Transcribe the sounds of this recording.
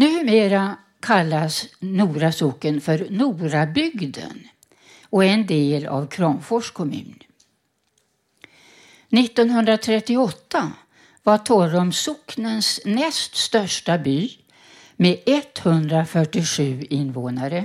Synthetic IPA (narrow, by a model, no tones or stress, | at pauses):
nʉ̟ːmeːɾa | kʰalːasnuːɾasʊkːənfœɾnuːɾabʏɡd̪ə̰n | ɔɛnd̪eːla̰vkʰɾɑːmfɔʂkʰɔmʉ̟̰ːn | nɪt̪ːɔnɦɵnd̪ɾat̪ʰɾɛt̪ːɪɔt̪ːa | vaʈʰɔɾɔmsʊknənsnɛst̪st̪œʂʈabyː | meɛt̪ːhɵnd̪ɾafœʈːɪɧʉ̟ːɪnːvoːnaɾə